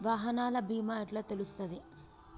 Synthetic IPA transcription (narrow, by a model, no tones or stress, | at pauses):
ʋaːɦɐnaːlɐbʱiːmaɐʈlaːt̪elust̪ɐd̪i